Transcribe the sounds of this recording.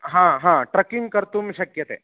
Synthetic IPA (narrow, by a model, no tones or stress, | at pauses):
ɦãɦãʈɾɐkiŋɡkəɾt̪uːmiɕɐkjɐt̪ḛː